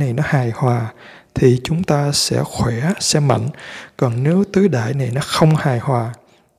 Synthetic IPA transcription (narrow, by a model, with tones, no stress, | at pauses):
na˨˩jnɔ˨˦haː˨˩jhwaː˨˩ | t̪ʰi˨˩t͡ɕʊ˨˦ŋ͡mt̪aː˧sɛ̰˧˥xwɛ˧˩sɛ˧ma̰˧˨jŋ̟kɔ˨˩nne˨˦wt̪ɨː˨˦ɗa̰ː˧˨jna˨˩jnɔ˨˦xə˧wŋ͡mhaː˨˩jhwaː˨˩